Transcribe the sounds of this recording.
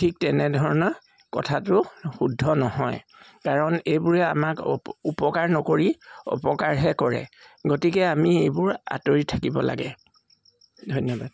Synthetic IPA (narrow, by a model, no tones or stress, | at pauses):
tʰik̚tɛnɛdʱɔɹɔnɔ | kɔ̰tʰatʊxudʱɔnɔhɔj | kaɹɔnejbʊɹɛa̰makupɔkaɹnɔkoɹiɔ̰pɔkaɹɦɛkɔɹɛ̰ | ɡotikɛamiejbʊɹa̰toɹitʰakibɔ̰la̰ɡɛ | dʱojnɔbad̥̚